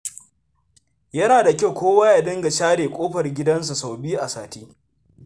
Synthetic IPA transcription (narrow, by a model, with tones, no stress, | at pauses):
jɐ˦naː˨da˨kʲa˦˨wkʷoː˦waː˦ja˨dɐ˦ŋɡa˨ʃaː˦ɽeː˨kʷʼoː˦ɸɐ˨rɡʲɪ˦dɐ˦ns̬u˨sa˨wbiː˦ʔa˨saː˨tiː˦